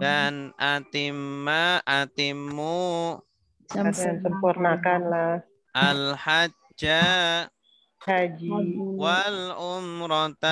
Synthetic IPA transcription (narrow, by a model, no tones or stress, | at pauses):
danʔat̪imːaat̪imːu | saansəmpurnakanlah | ʔalha | d͡ʒa | had͡ʒiwalʊmɾɔt̪a